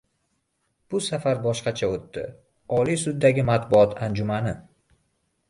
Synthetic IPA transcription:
b̥ʊsafaɾbɒʃqɑt͡ʃʰaot̪ːɪ̰ | ɒlisʊd̪ːaɡʲɪmat̪bʊɒt̪ʰand͡ʒʊmanɪ

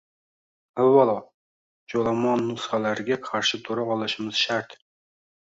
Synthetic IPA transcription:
awːalˠɒ | d͡ʒolˠamɒnːʊsχalaɾɪɡʲaqʰɑɾʃɪt̪ʰoɾaɒlˠɪʃɪmɪz̥ʃaɾt̪

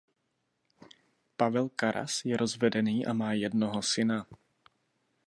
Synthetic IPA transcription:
pavɛlkaɾʔa̰sjɛɾʔozvɛdɛniːʔamaːjɛdnoɦosɪna

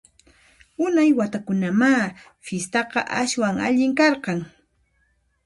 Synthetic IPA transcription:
ʊnajwat̪akʊnamaː | fɪst̪ɑqɑʔaʃwaŋa̰ʎɪŋkɑɾqɑŋ

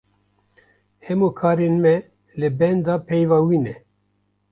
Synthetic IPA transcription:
hɛmokʰɑːɾeːnmɛ | lɨbɛnd̪ɑːpʰɛjvɑːwiːnɛ

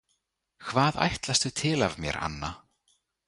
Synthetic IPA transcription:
kʰvaːða̰jht̪last̪ʏt̪ʰɪlavmjɛ̰ɾʔa̰nːa

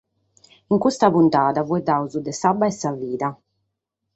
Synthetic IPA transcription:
iŋkust̪apunt̪aːðavuɛd̪auzud̪ɛsabːaɛsaviːða

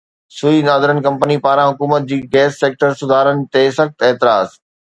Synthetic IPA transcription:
sʊinaːd̪ɪɾənkɐ̃mpənipaːɾãɦʊkuːmət̪̚d͡ʑiːɡɛːsːeːk̚ʈəɾsʊd̪ʱaːɾənɪ̆t̪esɐxt̪eːt̪ɪɾaːz

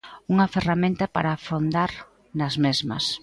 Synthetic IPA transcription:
uŋɐferamẽnt̪ɐpa̰ɾafond̪aɾ | nɐzmezmɐ̰s

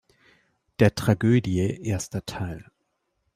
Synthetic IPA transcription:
d̥eːɐtʁ̥aɡøːdjəʔeːɐstɐtʰaɪl

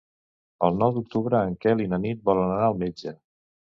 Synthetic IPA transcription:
ə̰lˠnɔwd̪uk̚t̪uβɾəːŋkɛlinənit̪̚bɔlənənaəlˠmed͡ʒə

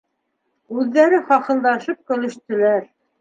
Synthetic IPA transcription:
ʉðːæɾɘχɑqɤ̆lˠd̪ɑʃɤp̚kɵ̆lɵ̆ʃt̪ɵ̆læɾ

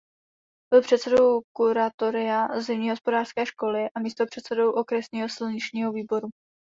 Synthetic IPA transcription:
b̥ɪlpr̝̥ɛt̪sɛdo̞wkuɾat̪o̞ɾɪazɪmɲiːɦo̞spo̞daːr̥skɛːʃko̞lɪʔamiːst̪opr̝̥ɛt̪sɛdo̞wʔo̞kɾɛsɲiːɦo̞sɪlɲɪt͡ʃɲiːɦo̞viːbo̞ɾu

